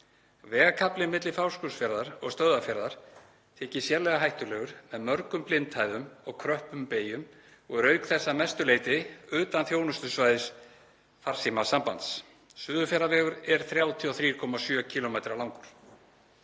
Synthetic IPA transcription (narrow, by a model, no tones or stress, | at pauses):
vɛːɣakʰaplɪmɪt̪lɪfawskʏsfjɛɾðaɾɔɣst̪œððafjɛɾðaɾ̥ | t̪ʰɛːcɪsjɛɾlɛɣaɦajht̪ʏlɛːɣʏɾ̥mɛðmœɾkʏmplɪnt̪ʰhaːjðʏmɔɣkʰɾœhpʏmpeːjʏm | ɔɣɾœːɥkθɛsːamɛst̪ʏleːjt̪ɪʏːt̪anθjoːwnʏst̪ʏsvajðɪs | far̥simasampa̰nt̪s | sʏːðʏfjɛɾavɛːɣʏɾɛɾ̥θɾjaːwt̪ʰiɔθɾiːɾkʰɔmasjœːcʰiːlɔmejt̪ɾalawŋkʏɾ̥